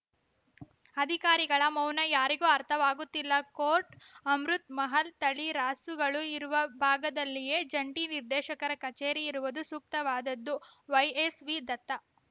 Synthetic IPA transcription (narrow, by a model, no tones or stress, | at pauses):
ɐd̪ʱikaːɾiɡɐɭɐmɐwnɐjaːɾiɡuːɐɾt̪ʰɐʋaːɡut̪ːilːɐkoːɾʈɐmɾut̪̚mɐɦɐlt̪ɐɭiɾaːsuɡɐɭuiɾuʋɐbʱaːɡɐd̪ɐlːije̞ːd͡ʒɐɳʈiniɾd̪ɛːʃɐkɐɾɐkɐt͡ʃeːɾiːɾuʋud̪usuk̚t̪ɐʋaːd̪ɐd̪ːuʋɐjesʋid̪ɐt̪ːɐ